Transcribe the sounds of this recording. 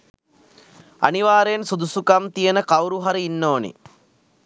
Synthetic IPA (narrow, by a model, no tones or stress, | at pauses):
ɐ̰niʋaːɾeːnsud̪usukɐmt̪ijɐnɐkɐwɾuɦɐɾɐinːoːnḭ